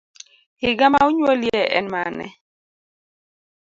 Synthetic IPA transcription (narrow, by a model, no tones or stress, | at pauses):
hɪɡamauɲwoljɛʔɛnmanɛ̰